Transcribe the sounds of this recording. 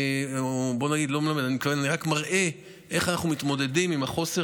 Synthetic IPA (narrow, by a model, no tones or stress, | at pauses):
bo̞naɡid̪lo̞melame̞danimtkavenaniʁakmaʁʔe̞ | ʔe̞χanaχnumit̪mo̞de̞dimimaχo̞se